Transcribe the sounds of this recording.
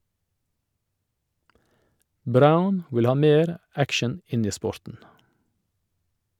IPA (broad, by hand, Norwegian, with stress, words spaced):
ˈbɾaʊn ˈwɪl ˈhɑː ˈmeːɾ ˈækʃən ˈɪn ˈiː ˈspɔɾtn̩